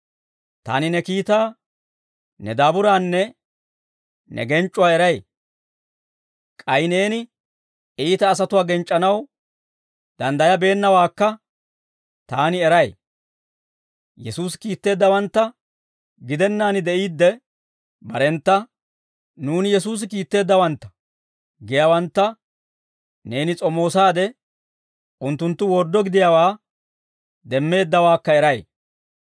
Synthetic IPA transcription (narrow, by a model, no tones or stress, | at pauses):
t̪a̰ːnɪnɛkiːt̪aː | nɛd̪aːbʊɾaːnːɛ | nɛ̰ɡɛnt͡ʃʼːʊwaːɛɾɐj | kʼɐjne̞ːnɪ | iːt̪ɐːs̬ɐt̪ʊwaːɡɛnt͡ʃʼːɐnɐw | d̪̥ɐnd̪ɐjɐbe̞ːnːɐwaːkːɐ | t̪aːnɪɛɾɐj | jɛsuːs̬ɪ̥kiːt̪ːe̞ːd̪ːɐwɐnt̪ːɐ | ɡɪd̪ɛnːaːnɪd̪ɛʔiːd̪ːɛ | bɐɾɛnt̪ːɐ | nuːnɪjɛs̬uːs̬ɪkiːt̪ːe̞ːd̪ːɐwɐnt̪ːɐ̥ | ɡɪjawɐnt̪ːɐ | ne̞ːnɪt͡sʼɔmo̞ːsaːd̪ɛ | ʊnt̪ːʊnt̪ːʊwɔɾd̪ːɔɡɪd̪ɪjawaː | d̪ɛmːe̞ːd̪ːɐwaːkːɐɛɾɐj